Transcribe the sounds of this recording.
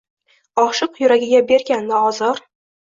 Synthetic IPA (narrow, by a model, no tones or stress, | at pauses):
ɒχʃɨqjʊɾaɡʲɪɡʲabe̞ɾɡʲand̪aɒzɒɾ